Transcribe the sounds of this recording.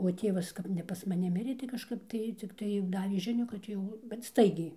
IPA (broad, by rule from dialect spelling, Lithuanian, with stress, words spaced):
oː ˈtʲeːʋɐs ˈkɐp nʲɛ pɐs mɐˈnʲɪ ˈmʲɪrʲeː tɐɪ kɐˈʃkɐp tɐɪ t͡sʲɪkˈtɐɪ ˈdɑːʋʲeː ˈʒʲɪnʲuː kɐt ˈjɛʊ bʲɛt ˈstɐɪɡʲɛɪ